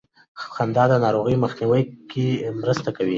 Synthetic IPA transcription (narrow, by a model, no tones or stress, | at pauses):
xand̪ɑd̪ənɑɾoɣəjməxniwəjkemɾəst̪akawi